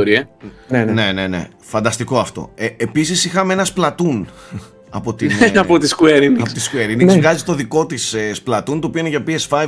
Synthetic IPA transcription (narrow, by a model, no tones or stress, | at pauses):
oɾienene̞ne̞ne̞̰ | fɐnd̪ɐst̪iko̞ɐft̪o̞̰eepisisixɐmeenɐsplɐt̪un | ɐ̰po̞t̪inɐpot̪iskueɾinipot̪i̥skueɾinikzvɣɐzit̪o̞ðiko̞t̪isesplɐt̪unt̪opioineʝɐpiesfɐj